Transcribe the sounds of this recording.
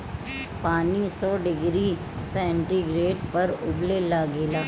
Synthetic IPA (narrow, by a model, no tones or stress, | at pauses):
paːnisɔːɖɪɡɾi | sɛ̃ːɳʈiɡɾeːʈpɐɾʊblelaːɡeːlaː